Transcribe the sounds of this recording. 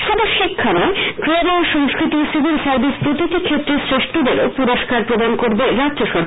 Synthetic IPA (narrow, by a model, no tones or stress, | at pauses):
ʃɔd̪oʃikʰːaɾaekɾeɾoʃɔŋskɾit̪isiɡilsaɾbispɾot̪ikikʰet̪ːɾesɾeʃʈod̪eɾo̰puɾoʃkaɾpɾod̪ankoɾbeɾadoʃoɾ